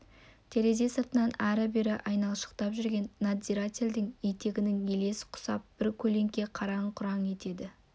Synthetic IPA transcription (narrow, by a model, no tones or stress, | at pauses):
t̪ʰe̞ɾe̞ze̞səɾt̪ənɑnæɾɪbɪɾɪʔɑjnɑlˠʃə̥qt̪ɑpʒʏɾɡʲe̞nːad̪iɾat̪ʲeld̪ɪŋet̪e̞ɡʲɪnɪŋe̞le̞sɪ̥qʰʊ̥sɑp̚b̥ɪɾkʲʰɵle̞ŋkʲe̞qʰɑɾɑɴqʰʊɾɑɴe̞t̪e̞d̪ɪ